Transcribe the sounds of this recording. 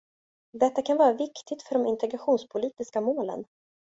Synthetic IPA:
d̪ɛt̪ːakʰanvɑːɾavɪkt̪ʰɪɡt̪fœɖɔmɪnt̪ʰɛɡɾaɧuːnspʰʊliːt̪ɪskamoːlə̰n

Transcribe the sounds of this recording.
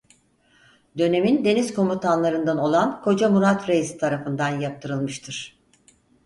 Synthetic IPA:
d̪ø̞ne̞mind̪e̞niz̥ko̞mut̪ʰanlˠaɾɯnd̪ano̞lˠankʰo̞d͡ʒamuɾat̪ɾejisi̥t̪ʰaɾafɯnd̪anjap̚t̪ʰɯɾɯlˠmɯʃt̪ʰɯɾ̥

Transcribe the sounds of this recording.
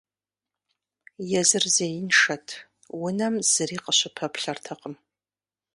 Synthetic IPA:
jɛzɨrzejɪnʂɐtʰ | wʊnɐmz̥ɨriːqəɕʷɪpʰɐpʰɬɐrtʰɐqʼəm

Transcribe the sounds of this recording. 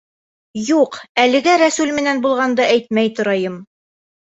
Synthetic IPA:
juqælɘ̆ɡæɾæsulmɘ̆nænbulˠʁɑnd̪ɤʔæjt̪̚mæjt̪ŏɾɑjɤm

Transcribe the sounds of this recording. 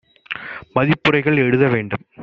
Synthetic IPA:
mɐðipːɯrɐɪɣɐɭeɻɯðɐʋeːɳɖɯm

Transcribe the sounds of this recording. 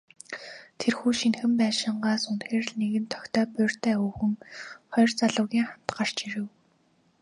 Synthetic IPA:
t̪ʰerxuːʃinxɘ̆mpæːʃɪ̆ɴɢaːsunxeːr̆ɮneɣɘ̆nt̪ʰɔ̥kt̪ʰœːpʊr̥t̪ʰæːuːxɘ̆ŋχɔjrt͡saɮʊːɣʲiːŋχam̥t̪ɢar̥t͡ɕiɾɘ̆w

